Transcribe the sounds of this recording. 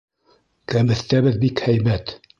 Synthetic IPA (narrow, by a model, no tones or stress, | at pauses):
kæmɘ̆θt̪æβɘðbikhæjmæt̪